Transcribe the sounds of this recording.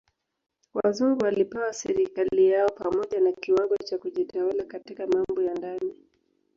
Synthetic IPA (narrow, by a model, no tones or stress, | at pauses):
wa̰zuŋɡuwalipɛwasɛɾikalijaɔpamɔʄanakiwaɡɔt͡ʃakuʄitawalakatikamambɔjandani